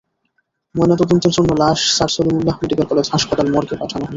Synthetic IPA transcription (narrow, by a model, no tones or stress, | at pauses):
moenat̪od̪ont̪ɾeɾd͡ʑonːolaʃsaɾsolumulːahmeɖikalkɔled͡ʑɦaʃpat̪almɔɾkepaʈʰanoɦolo